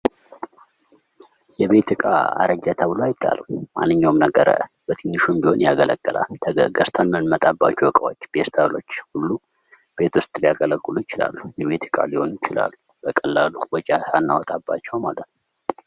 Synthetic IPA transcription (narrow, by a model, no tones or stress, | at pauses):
jɛβe̞t̪ɨkʼa̰a̰ɾəd͡ʒat̪ʰəβɨloajɪt̪ʰʼːa̰ləmanːɨɲːawmnəɡəɾə | b̥ət̪ʰeɲːɪʃumbihonʔjaɡələkʼːəla̰lt̪ʰəɡəɡəst̪ʰənːɨnmət̪ʼabːat͡ʃːɛwɔkʼəwot͡ʃːb̥est̪ʰaβlo̞t͡ʃːhulːu | b̥e̞t̪wʊst̪ʼlijaɡələkʼːɨlujɪt͡ʃɪla̰lːujɛβe̞t̪ʰɨkʼa̰liho̞njɪt͡ʃɪla̰lːu | b̥əkʼəlːaluwɔt͡ʃʼasanːawɔt̪ʼabːa̰t͡ʃːɛwmalət̪nu